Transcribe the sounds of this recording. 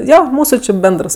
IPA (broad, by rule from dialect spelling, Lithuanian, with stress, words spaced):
ˈjoː ˈmuːsʊ t͡ʃʲɪ ˈbʲɛndrs